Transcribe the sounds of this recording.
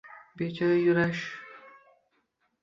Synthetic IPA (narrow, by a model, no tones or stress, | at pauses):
bet͡ʃʰaɾajuɾaʃ